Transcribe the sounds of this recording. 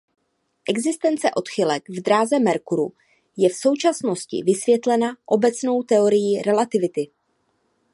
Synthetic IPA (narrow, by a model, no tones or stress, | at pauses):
ʔɛɡzɪst̪ɛnt͡sɛʔo̞t̪xɪlɛkvd̪ɾaːzɛmɛɾkuɾu | jɛfso̞wt͡ʃasno̞scɪ̰vɪsvjɛt̪lɛnaʔo̞bɛt͡sno̞wt̪ɛoɾɪjiɾɛlat̪ɪvɪt̪ɪ